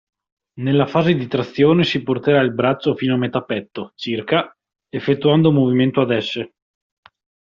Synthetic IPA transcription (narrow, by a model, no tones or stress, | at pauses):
nelːafaːzed̪it̪ɾat̪sːjoːnesiport̪eɾailbɾat͡ʃːofiːnoamet̪apɛt̪ːot͡ʃirka | efːet̪ːuand̪omoviment̪oad̪ɛsːe